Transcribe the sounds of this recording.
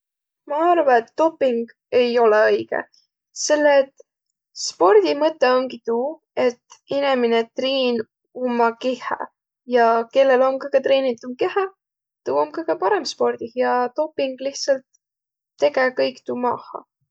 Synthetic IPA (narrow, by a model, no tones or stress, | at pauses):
mɑɑrvɑet̪ːo̞pːiŋɡ̥ | e̞jo̞leɤjɡ̥ḛ | se̞lːet̪ | spo̞rd̪̥imɤt̪ːˑeo̞ŋɡit̪uː | e̞t̪ːineminet̪riːn | umːɑkehɑ̰ | jɑke̞lːe̞lo̞mkɯɡ̥et̪re̞ːnit̪umke̞hɑ | t̪uːomkɤkɑpɑɾe̞mspo̞rd̪̥ihjɑt̪o̞pːiŋɡ̥liht̪sɑlt̪ː | e̞ɡekɤjkt̪umɑ̰hɑ̰